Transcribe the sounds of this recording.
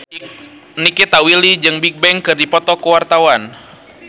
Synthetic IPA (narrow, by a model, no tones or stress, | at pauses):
nikit̪awilid͡ʒɨŋbik̚bɛŋkɨrdipɔt̪ɔkuwart̪awan